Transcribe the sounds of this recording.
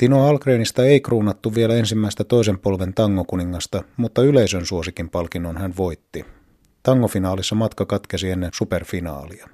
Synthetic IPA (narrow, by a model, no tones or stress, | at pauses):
t̪inoɑlkreːnist̪ɑeikruːnɑt̪ːuʋielæe̞nsimːæist̪æt̪o̞isempolʋe̞nt̪ɑŋːokuniŋːɑst̪ɑmut̪ːɑyleisønsuosikimpɑlkinːonhænʋo̞jt̪ːi | t̪ɑŋːofinɑːlisːɑmɑt̪kɑkɑt̪kesienːensuperfinɑ̰ːliɑ